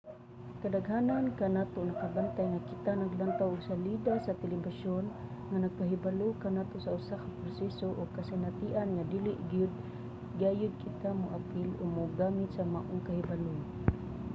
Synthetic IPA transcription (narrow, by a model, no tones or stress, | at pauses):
kad̪aɡɦaːnankanaːt̪onakabant̪ajŋakɪt̪anaɡlant̪awʔoɡsalid̪asat̪ɛlɪbaʃonŋanaɡ̚paɦɪbalokanaːt̪osaʔʊsakapɾosɛsoʔoɡkasɪnat̪ɪʔanŋad̪iːlɪʔɡjʊd̪̚ | ɡaːjʊd̪̚kʰɪt̪amʊʔapɪlʔoɡmʊɡaːmɪt̪samaʔʊŋkahɪbalo